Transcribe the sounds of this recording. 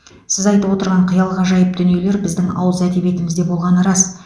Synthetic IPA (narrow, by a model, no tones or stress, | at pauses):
sɪzɑjt̪əwo̞t̪əɾʁɑɴqʰəjɑlˠʁɑʒɑjəp̚d̪ʏne̞le̞ɾbɪzd̪ɪŋɑ̰wəzæd̪e̞be̞t̪ɪmɪzd̪e̞bolˠʁɑnəɾɑs